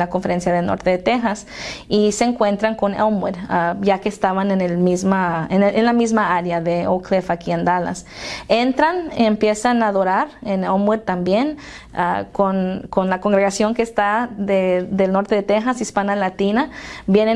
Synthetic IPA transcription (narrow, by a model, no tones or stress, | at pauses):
lakoɱfeɾensjaðelno̰ɾt̪eðet̪exas | iseeːŋkwent̪ɾaŋkonḛwmweɾajakeːst̪aβanenelmizmaenenlamizmaaɾjaðeoklefakiend̪ala̰sent̪ɾanempjesanaðoɾaɾenemweɾt̪ambjen | a̰konkonlakoŋɡɾeɣasjoŋkeːst̪aðed̪elnoɾt̪eðet̪exasispanalat̪inabjene